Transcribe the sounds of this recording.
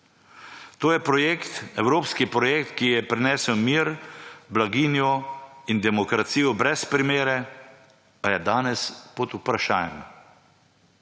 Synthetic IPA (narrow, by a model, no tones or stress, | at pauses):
t̪oːjɛpɾɔjeːkt̪ɛwɾoːpskipɾɔjeːkt̪kijɛpɾinɛːsɛwmiːɾblaɡiːnjɔind̪ɛmɔkɾat̪siːjɔbɾɛspɾimeːɾɛ | pajɛd̪aːnɛspɔt̪upɾaʃaːjɛm